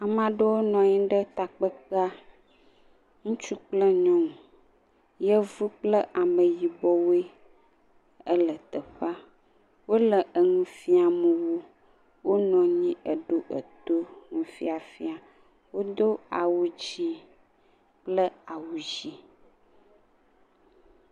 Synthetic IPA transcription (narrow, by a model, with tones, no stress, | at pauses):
a˨mã˨ɖə˦wo˦nɔ̃˨ɲĩ˦ɖə˦t̪a˨k͡pə˦ka˦ | ŋũ˦t͡ʃu˦k͡plə˦ɲɔ̃˦ŋũ˨ | jə˦vu˦k͡plə˦ʔa˨mə̃˨ji˨bɔ˦we˦ | ə˦lə˨t̪ə˨ɸa˦ | wo˦lə˨ʔə˨ŋũ˦fi˦a˨mə˨wu˦ | wo˦nɔ̃˨ɲĩ˦ʔə˨ɖo˦ʔə˨t̪o˦ŋũ˨fi˦a˨fi˦a˨ | wo˦d̪o˦a˨wu˦d͡ʑi˦ | k͡plə˦a˨wu˨d͡ʒi˦